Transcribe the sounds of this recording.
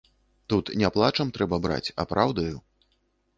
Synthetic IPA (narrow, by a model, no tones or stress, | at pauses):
t̪ut̪nʲɛplˠat͡ʂɐmt̪ɾɛbɐbɾa̰t͡sʲɐ̰pɾawd̪ɐju